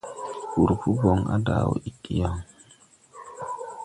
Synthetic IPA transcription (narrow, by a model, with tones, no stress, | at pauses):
u˨ɾpu˦bo˨ŋa̰˦da̰˨wo̰˨i˨kʼːi˦ja˦˨ŋ